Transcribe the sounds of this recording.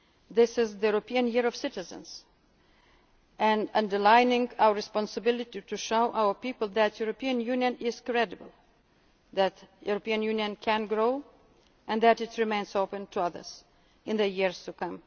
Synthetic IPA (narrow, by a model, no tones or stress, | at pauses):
ðɪsɪzðəjuɹopiɨ̃njɪɹɔv̥sɪtɨzə̰̃nz̥ | ʔɨ̃ndʌ̃ndə˞lãɪnɪ̃ŋaʊəɹɨspɑ̃nsəbɪlˠɨtituʃoʊʔawə˞pipəl̩ˠðætʰjuɹopiɨ̃njʉnjɨ̃nɪz̥kɹɛdɨbəl̩ˠ | ðætjṵɹopiɨ̃njʉnjɨ̃nkʰɨ̃nɡɹoʊ | ʔɨ̃nðæɾɨtɹɨmẽɪ̃nzoʊpɨ̃ntʰuʌðə̰˞z̥ | ɨ̃nðəjɪɹz̥tukʌ̃m